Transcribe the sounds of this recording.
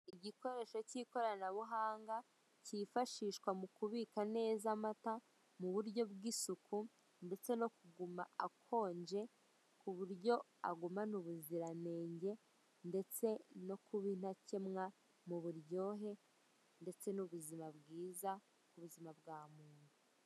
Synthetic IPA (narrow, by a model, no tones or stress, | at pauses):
iɟiko̞ɾe̞ːʃo̞ciːko̞ɾanaβuɦaːŋɡa | cifaʃiːʃkwamukuβikane̞ːzamata | muβuɾɟo̞bɡiːsukʰu | nde̞t͡se̞no̞kuɡumaakʰo̞ːɲd͡ʒe̞ | kuβuɾɟo̞ | a̰ɡumanuβuziɾane̞ːɲɟe̞ | nde̞t͡se̞no̞kuβin̥hace̞mŋa | muβuɾjo̞ːɦe̞ | nde̞t͡se̞nuβuzimabɡiːza | kuβuzimab̚ɡaːmuːnuu